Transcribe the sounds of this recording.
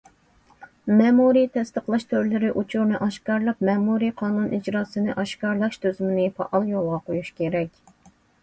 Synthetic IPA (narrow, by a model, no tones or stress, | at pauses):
mɛmuɾit̪ʰɛst̪əqlˠɑʃt̪ʰøɾlɪɾɪʔut͡ʃʰuɾnɨʔɑʃkɑɾlˠɑpmɛmuɾiqʰɑːnunʔid͡ʒɾɑːsɨnɨʔɑʃkɑɾlˠɑʃt̪ʰøzymɪnɪpʰɑ̰ʔɑlˠjolˠʁɑqʰojuʃkʲʰeɾɛkʲ